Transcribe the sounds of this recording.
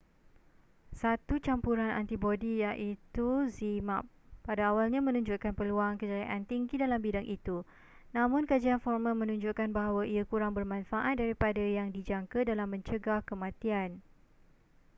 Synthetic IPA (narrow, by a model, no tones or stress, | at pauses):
sat̪ut͡ʃampuɾana̰nt̪ibodijaʔit̪uzima̰p | padaːwalɲãmə̃nũɲd͡ʒuʔkanpəluaŋkəd͡ʒaaʔant̪iŋɡidalambidaŋʔit̪u | nãmʊ̃nkad͡ʒianfɔrmãmə̃nũɲd͡ʒuʔkanbaɦawaʔiakuɾaŋbərmãnfaʔat̪̚daɾipadajaŋdid͡ʒaŋkadalamːə̃ɲt͡ʃəɡahkəmãt̪ian